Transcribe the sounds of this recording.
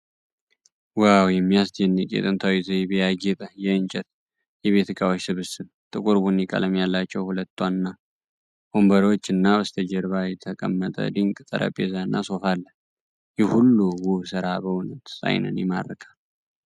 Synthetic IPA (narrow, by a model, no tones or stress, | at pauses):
wawjɛmːijasd̪ɛnːɨkʼḛt̪ʼɨnt̪ʰawizejbejaɡɛt̪ʼəjɛɨnt͡ʃʼɛt̪ | jɛβe̞t̪ɨkʼawot͡ʃsɨβɨsɨn | t̪ʼɨkʼuɾbunikʼa̰ləmjalːat͡ʃːɛwhulət̪ːwanɨnːa | ombəɾo̞t͡ʃːɨnːawəst̪ʰəd͡ʒɛɾβajɛt̪ʰəkʼə̰mːət̪ʼə̰d̪ɨŋkʼt̪ʼə̰ɾʔə̰pʼːezanːa̰so̞falːə | jɛhulːuwusɨɾabəwunət̪sa̰jnə̰njɛma̰d̪ːəkʰʼal